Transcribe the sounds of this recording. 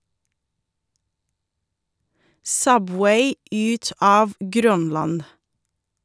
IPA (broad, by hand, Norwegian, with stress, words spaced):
ˈsœˌbweɪ ˈʉːt ˈɑːʋ ˈɡɾœnˌlɑn